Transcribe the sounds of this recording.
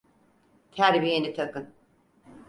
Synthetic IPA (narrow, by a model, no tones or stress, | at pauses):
t̪ʰæɾbijenit̪ʰakɯn